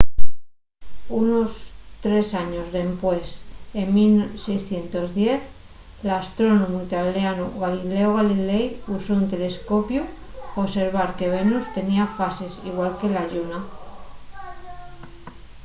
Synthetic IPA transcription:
unost̪ɾe̞saɲozðe̞mpwe̞semmilsejsθje̞nt̪o̞zðje̞θ | last̪ɾo̞nomuit̪aleanuɣalileoɣ̞alilejusount̪e̞le̞sko̞pju | oβse̞ɾβ̞aɾkeβ̞enust̪e̞niafase̞sḭɣ̞walke̞laʎuna

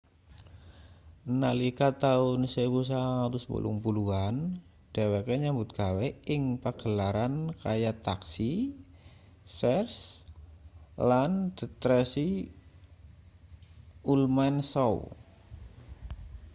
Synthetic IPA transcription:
nalikat̪aʊnsepus̬aŋat̪ʊsbṵlʔṵŋpuluan | d̥awekeɲambʊt̪̚ɡ̥a̤wɛɪŋpaɡ̥əlaɾankajat̪aksi | sɛrs | land̪̥ə̤t̪ɾɛsi | ulmansɔw

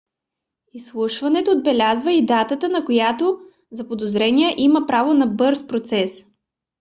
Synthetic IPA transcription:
islˠuʃvɐnɛt̪oːd̪̚bɛlʲazvəid̪at̪ət̪ənɐkojat̪o | zɐpod̪ozɾɛniəʔiməpɾavonɐbɤɾspɾot̪sɛs

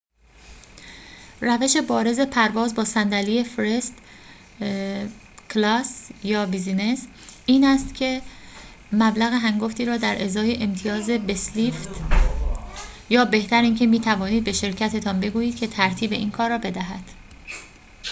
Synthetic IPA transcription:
ræve̞ʃe̞bɒːɾe̞ze̞pʰæɾvɒːzbɒːsænd̪æliːje̞fɾest̪ | kʰlɒːsjɒːbizine̞s | iːnæst̪cʲʰe̞ | mæblæɣe̞ɦæŋɡoft̪iːɾɒːd̪æɾʔezɒːjeʔemt̪ʰijɒːze̞besliːft̪ | jɒːbe̞ht̪ʰæɾiːncʰe̞miːt̪ʰævɒːniːd̪̚be̞ʃe̞ɾcʰæt̪ʰet̪ʰɒːnbe̞ɡuːjiːd̪̥̚cʰe̞t̪ʰæɾt̪ʰiːbe̞ʔiːnkʰɒːɾɒːbe̞d̪æɦæd̪̥

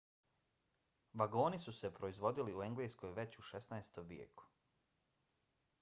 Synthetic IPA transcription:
ʋaɡo̞ːnisuse̞pɾo̞izʋo̞d̪iliue̞ŋɡleːsko̞jʋe̞t͡ɕuʃesnaest̪omʋjḛːku̥

